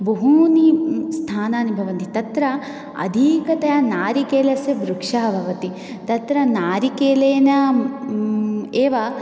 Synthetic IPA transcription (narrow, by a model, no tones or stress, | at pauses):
bɐɦuːnist̪ʰaːnaːnibʱɐʋɐnt̪it̪ɐt̪ɾɐ | ɐ̰d̪ʱiːkɐt̪ɐjanaːɾikeːlɐsjɐbɾukʂaːbʱɐʋɐt̪i | t̪ɐt̪ɾɐnaːɾikeːleːnɐ | eːʋɐ